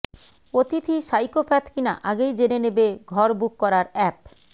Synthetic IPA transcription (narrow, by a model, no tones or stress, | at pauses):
ot̪it̪ʰiʃajkofɛt̪kina̰ʔaɡejd͡ʑeɾenebeɡʱɔɾbukːɔɾaɾɛp̚